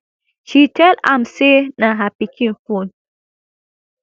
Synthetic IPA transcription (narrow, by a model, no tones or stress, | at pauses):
ʃitʰɛla̰msenaɦapikʰĩnfun